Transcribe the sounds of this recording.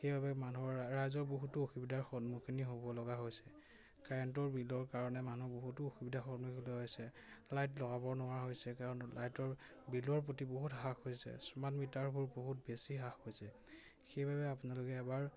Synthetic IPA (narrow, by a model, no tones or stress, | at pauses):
xejbabɛmanuɔɹɹajzɔɹboɦutuoxibidaɹxɔnmukʰiniɦobɔlɔɡaɦojsɛ | kaɹɔnt̬ɔɹbilɔɹkaɹɔnɛmanuboɦutuoxibidʱaxɔtmukilɔɦojsɛ | lajtlɔɡabɔɹnʊwaɹɦojsɛkaɹɔnlajtɔɹ | bilɔɹp̬otiboɦutɦakojsɛ̰sɔmatmitaɹbʱuɹboɦutbesiɦaxojsɛ | xejbabɛapʊnalokɛːbaɹ